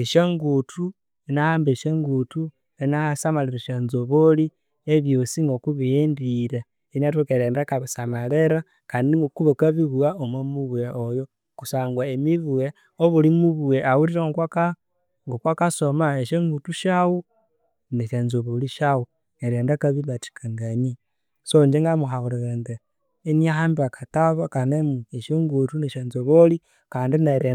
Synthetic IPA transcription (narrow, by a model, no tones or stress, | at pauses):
eʃeŋɡutʰu | enahaːmbeʃeŋɡutu | enasamaleɾeʃenzoβoli | eβjosiŋɡokuβijendiɾa | enat̬ekeɾeːndakaβisamaleɾa | kaːndiŋɡokuβokaβiβuaomamuβueʔojo | kusaːŋɡwaemiβuwe | oβulimuβueʔawuɾiɾoŋkwaka | ŋɡokwakasomaeʃeŋɡutuʃawu | neʃenzoβoliʃawu | neɾeːndakaβiβat͡ʃi̥kʰaŋɡani | sond͡ʒeŋɡamuɦauɾeɣende | eniahaːmbiakataβakanemueʃeŋɡutuneʃenzoβoli | kaːndineɾe